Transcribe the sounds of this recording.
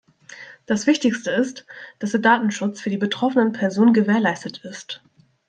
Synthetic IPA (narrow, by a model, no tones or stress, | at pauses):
d̥asv̥ɪçtɪçstəɪstd̥asd̥eːɐdaːtn̩ʃʊt͡sfyːɐdiːbətʁ̥ɔfənənpʰɛɐzoːnənɡəveːɐlaɪstətʰɪst